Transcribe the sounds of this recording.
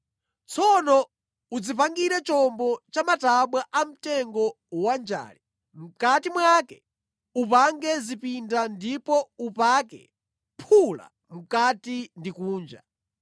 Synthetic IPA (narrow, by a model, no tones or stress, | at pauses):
t͡sʰɔnɔ | ud͡zipaŋɡiɾɛt͡ʃɔmbɔt͡ʃamataɓwaʔam̩tɛŋɡɔ | wand͡ʒa̰ːli | m̩katimwakɛ | upaŋɡɛzipindandipɔupakɛ̰ | pʰula̰ | m̩katindikuːnd͡ʒa̰